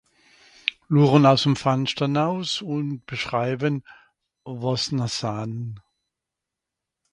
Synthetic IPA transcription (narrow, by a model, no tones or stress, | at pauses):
luːʁənaʊsd̥emfanʃtɐnhaʊsʊnt̚b̥əʃʁ̥aɪbən | vɔsnasaːnə